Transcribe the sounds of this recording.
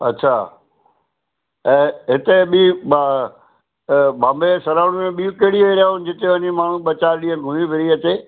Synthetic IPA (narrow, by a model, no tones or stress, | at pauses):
ɐ̰t͡ɕʰaː | ɛ̃ːɦɪt̪eɓiba | bãːmbesɐɾaːʊɽ̃mẽɓiːũkeɦɪɽioiɾaːʊnɪd͡ʑɪt̪eʋɐɲimaːɳ̤ũɓɐt͡ɕaːɾɗĩːə̃nɪ̆ɡʱʊ̃nĩbʱɪɾiɐt͡ɕeː